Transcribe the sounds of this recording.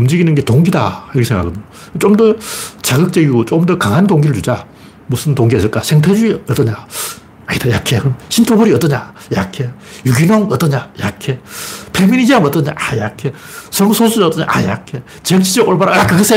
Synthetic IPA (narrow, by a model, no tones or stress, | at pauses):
ɯmd͡ʑiɡinɯnɡe̞toŋɡida̰iɾɯkʰesʰeŋɡakɡɯdɲo | t͡ɕomdʌt͡ɕaɡɯk̚t͡ɕ͈ʌɡiɡot͡ɕomdʌkaŋɦandoŋɡiɾɯɭt͡ɕud͡ʑa | musʰɯntoŋɡiɦasɯɭk͈asʰeŋtʰed͡ʑuiʌt͈ʌɲa | aitajɾakʰeɯmɕʰintʰoboɾiʌt͈ʌɲa | iɾakʰejuɡinoŋʌt͈ʌɲaɾakʰːepʰeminid͡ʑiamʌt͈ʌɲa̰ʔaiɾakʰe | sʰʌŋsʰosʰuʌt͈ʌɲa̰ʔa̰jɾakʰe | t͡ɕeŋt͡ɕʰid͡ʑʌkoɭbaɾaakɯɡɯsʰe